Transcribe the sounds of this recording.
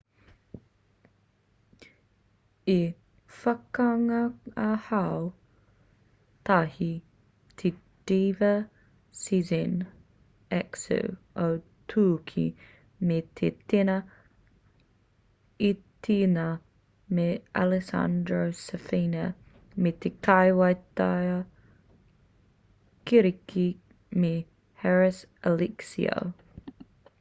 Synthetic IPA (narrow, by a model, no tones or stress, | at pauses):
i | fɐkɐŋɐɐhɐw | t̪ʰɐhi | t̪ʰe | d̥iːvə | sizən | ɛksṵ | ow | t̪ʰuːkʰḭ | met̪ʰet̪ɪnɐ | it̪ʰina | meʔalɪsa̰nd̪ɾosəfinɐ | met̪ʰekʰajwajt̪ajɐ | kiɾikʰi | me | hɛɹɪs | əliksḭo̰